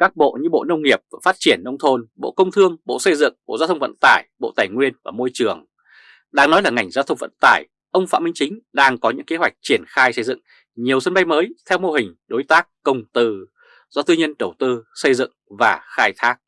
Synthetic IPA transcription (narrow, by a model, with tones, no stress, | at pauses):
kaː˦˥k̚ɓo̰˧˨ɲɨ˧ɓo̰˧˨nə˧wŋ͡mŋi˨˩əp̚a˨˩faː˦˥t̚t͡ɕi˧˩ənːə˧wŋ͡mt̪ʰo˧nɓo̰˧˨kə˧wŋ͡mt̪ʰɨ˧əŋɓo̰˧˨sə˧jzɨ̰˧˨ŋɓo̰˧˨zaː˧t̪ʰwŋ͡mvə̰˧˨nt̪aː˧˩jɓo̰˧˨t̪aː˧˩jŋwi˧ənvaː˨˩mo˧jt͡ɕɨ˨˩əŋ | ɗaː˧ŋnɔ˨˦jlaː˨˩ŋa˨˩jŋ̟zaː˧wt̪ʰə˧wŋ͡mvə̰˧˨nt̪aː˧˩j | ʔə˧wŋ͡mfa̰ː˧˨mï˧ŋ̟t͡ɕï˨˦ŋ̟ɗaː˧ŋkɔ˨˦ɲɨ̰˧˥ŋke˨˦ɦwa˨˩jk̟̚t͡ɕi˧˩ənxaː˧jsə˧jzɨ̰˧˨ŋ | ɲi˨˩əwsə˧nɓa˧jməː˨˦jt̪ʰɛ˧wmo˧ɦï˨˩ŋ̟ɗo˨˦jt̪aː˦˥k̚ːə˧wŋ͡mt̪ɨ˧˩ | zɔ˧t̪ɨ˧ɲə˧nɗə˧˩wt̪ɨ˧sə˧jzɨ̰˧˨ŋvaː˨˩xaː˧jt̪ʰaː˦˥k̚